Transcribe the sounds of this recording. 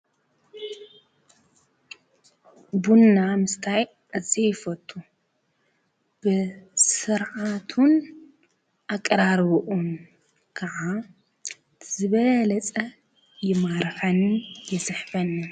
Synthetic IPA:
bunːamɨst̪ʰaj | ɨzijɪfɐt̪ʰʼːu | b̥ɨsɨɾʕat̪ʰun | ʔakʼːɐɾaɾβuʔun | kʰɐʕa | z̥ɨβɐlɐt͡sʼɐ | jɪmaɾħɐnjɪsɨħfɐnːɨ

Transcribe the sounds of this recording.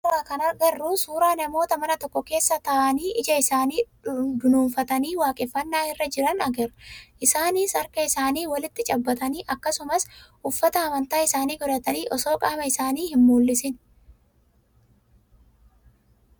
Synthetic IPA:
ɾaːkɐnɐɾɡɐrːuːsuːɾaːnɐmo̞ːt̪ɐmɐnɐt̪ɔkːɔke̞ːsːɐt̪ɐʔɐniːʔɪd͡ʒɐɪsaːniː | bɪnuːnfɐt̪ɐniːwaːkʼɛfːɐnːaːhɪrːɐd͡ʒɪɾɐnɐɡɐɾɐʔɪsaːniːsɐɾkɐɪsaːniːwɐlɪt̪ːɪt͡ʃʼɐbːɐt̪ɐniːʔɐkːɐsʊmɐsʔʊfːɐt̪ɐɐmɐnt̪aːɪsaːniːɡɔɾɐt̪ɐniːʔɔso̞ːkʼamɐɪsaːniːhɪmːuːlːɪsɪn

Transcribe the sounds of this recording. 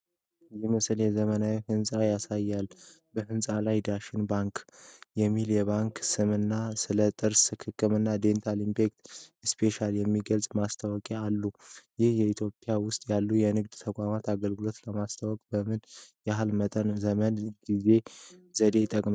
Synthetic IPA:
jɛmɨsljɛzəmənawihɨnsʼajasajːalː | bəhɨnsʼalajd̪aʃɪnbaŋkjɛmːiljɛβaŋksɨmɨnːasɨlət̪ʼɨɾsɨkʰɨkʰʼːɨmɨnːad̪e̞nt̪ʰalimpʰe̞kt̪ɨspʰe̞ʃaljɛmːiɡəlsʼmast̪ʰawɔkʼealːujɪhjɛit̪ʰjo̞pʼːjawʊst̪ʼjalːujɛnɨɡd̪t̪ʰəkʼamat̪aɡəlɡɨlo̞t̪ləmast̪ʰawɔkʼbəmɨnjɛɦalmət̪ʼənzəmənɡ̥ize̞z̥əd̪e̞t̪ʼːəkʼma

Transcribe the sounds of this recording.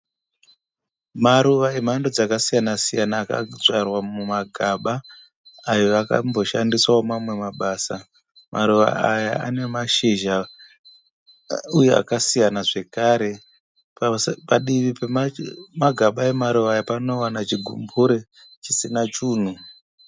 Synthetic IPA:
maɾuʋaem̤ando̞d͡zakasijanasijanaːka̰d͡zʷarwamumaɡʱaɓaː | joaka̰mbo̞ʃandiswaomamwemaɓaːsa | mʔaɾuʋa̰aja̰a̰ne̞maʃiʒa | ujea̰kasijanaʐe̞kaːɾe̞ | paɗiʋipemaɡʱaɓae̞maɾuʋaːjapano̞wanat͡ʃiɡʱṵmbuɾe̞ | t͡ʃisinat͡ʃuːn̤u

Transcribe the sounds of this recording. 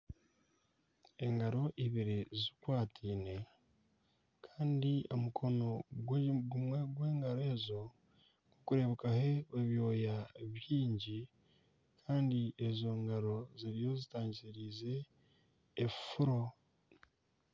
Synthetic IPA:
e̞ŋɡaɾo̞ʔiβiɾizikwaːtʰiːne̞ | kʰaːndio̞mukʰo̞no̞ɡwɡumeɡwe̞ːŋɡaɾe̞ːzo̞ | ŋokuɾe̞βekahe̞eβjo̞ːjaeβjiːɲɟi | kʰaːndie̞zo̞ŋɡaɾo̞ziɾijo̞zitaːɲɟiɾize̞ː | fuɾo̞

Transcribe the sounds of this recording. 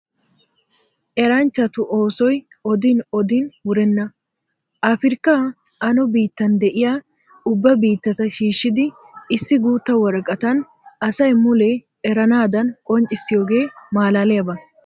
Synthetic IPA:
ʔɛɾɐnt͡ʃːɐt̪ʊʔoːsɔj | ɔd̪ɪnɔd̪ɪnwʊɾɛnːɐ | ʔaːfɪɾkːa | ʔɐnɔbiːt̪ːɐnd̪ɛʔɪjaː | ʊbːɐbiːt̪ːɐt̪ɐʃiːʃːɪd̪ɪ | ɪsːɪɡuːt̪ːɐwɔɾɐkʼːɐt̪ɐn | ɐsɐjmʊlɛ | ɛɾɐnaːd̪ɐnkʼɔnt͡ʃʼːɪsːɪjo̞ːɡe̞ːmaːlaːlɛjɐbɐ

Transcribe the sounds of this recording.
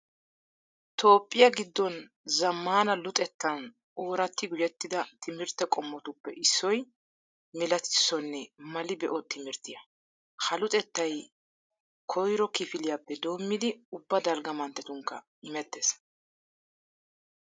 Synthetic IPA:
t̪ʰo̞ːpʼːɪjɐɡɪd̪ːɔn | zɐmːaːnɐlʊt̪ʼɛt̪ːɐn | ʔoːɾɐt̪ːɪɡʊjɛt̪ːɪd̪ɐt̪ʰɪmɪɾt̪ːɛkʼɔmːɔt̪ʊpːɛʔɪsːɔj | mɪlɐt̪ɪ̥sːɔnːɛmɐlɪbɛʔɔt̪ɪmɪɾt̪ːɪjɐ | hɐlʊt̪ʼɛt̪ːɐj | kʰɔjɾɔkɪfɪlɪjapːɛd̪o̞ːmːɪd̪ɪʊbːɐd̪ɐlɡɐmɐnt̪ːɛt̪ʊŋkːɐ̰ | ɪmɛt̪ːes

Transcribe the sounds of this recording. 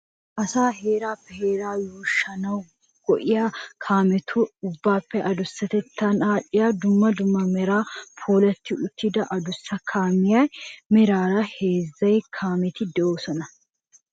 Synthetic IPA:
ʔɐsaːɦeːɾaːpːɛheːɾaːjoːʃːɐnɐw | ɡ̥ɔʔɪjaːkʰaːmɛt̪ʰʊʊbːaːpːɛʔɐd̪ʊsːɐt̪ɛt̪ʰːɐnaːᶑɪjaːd̪ʊmːɐd̪ʊmːɐmɛɾaːpʰuːlɐt̪ːɪʔʊt̪ːɪd̪ɐʔɐd̪ʊsːɐkʰaːmɪjaːjmɛɾaːɾɐheːzːɐjkʰaːmɛt̪ɪd̪ɛʔoːsɔnɐ

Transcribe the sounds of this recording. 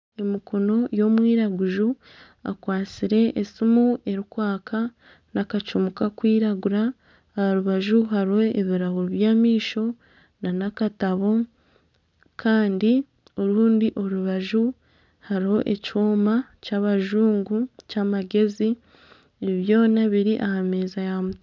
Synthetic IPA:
emikʰo̞no̞jo̞mwiːɾaɡuʒu | a̰kwaːt͡siɾe̞ʔːsimue̞ɾikwaːkʰa | nakat͡ʃumukakwiːɾaɡuɾaː | aɾuβaʒuɦaɾiho̞eβiɾaɣuɾuβjaːmiːʃo̞ | nanakataβo̞ | kʰaːndi | oɾuːndiʔo̞ɾuβaʒu | haɾiho̞ʔe̞cioːmacaːβaʒuːŋɡucaːmaɡe̞zi | eβiβjo̞ːnaβiɾiʔahame̞ːzajamuta

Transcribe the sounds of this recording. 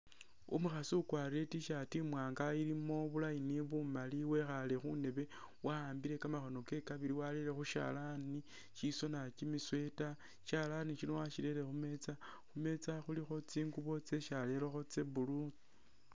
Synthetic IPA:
ṵmuxasuukwaɾie̞tiʃatimwaːŋɡaiɾimo̞βulajiniβumaliwe̞xale̞xṵne̞βe̞ | waaːmbiɾe̞kamaxo̞no̞ke̞kaβiliwaleɾe̞xuʃa̰lani | ʃiso̞nat͡ʃimiswe̞ta | ʃalaniʃinowaʃileɾe̞xume̞t͡sa | xume̞t͡saxulixo̞t͡siːŋɡuβo̞t͡se̞ʃale̞loxo̞t͡seβulu

